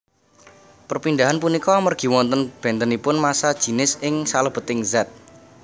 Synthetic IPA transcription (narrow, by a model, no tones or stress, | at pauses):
pərpinɖ̪aɦanp̬unikɔmərɡ̥i̤wɔnt̪ənb̥ɛ̤nt̪ənipʊnmasad̥ʒ̥i̤nɪsɪŋsaləb̥ə̤t̪ɪŋzat̪̚